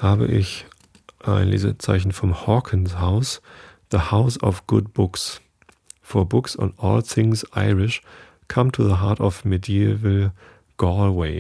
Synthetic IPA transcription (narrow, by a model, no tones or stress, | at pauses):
haːbə̰ʔɪç | ʔaɪnlḛːzə̰t͡saɪçn̩fɔ̃mhɔkʰə̃nshaʊs | ðəhaʊsɔfɡ̥ʊd̚bʊks | fɔbʊksɔ̰̃nɔ̰ːlθɪ̃ŋsʔaɪɹɪʃ | kʰãmtʰuðəɦaːtɔvmediivəl̩ | ɡ̥ɔlweɪ